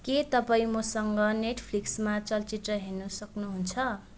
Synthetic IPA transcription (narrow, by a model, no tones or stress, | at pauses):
ket̪ʌpaĩmosʌŋɡʌneʈʰpʰliksmat͡sʌlt͡siʈrʌɦernːusʌknuɦunt͡sʰʌ